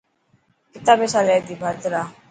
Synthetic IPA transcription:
it̪abesalɛd̪ibʱad̪ɾa

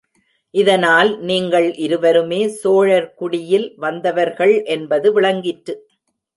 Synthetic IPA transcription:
ʔɪðɐnaːlniːŋɡɐɭʔɪɾɯʋɐɾɯmeːsoːɻɐɾkʊɽɪjɪlʋɐnd̪ɐʋɐɾɣɐɭʔɛnbɐðɯʋɪɭɐŋɡɪʈːɯ

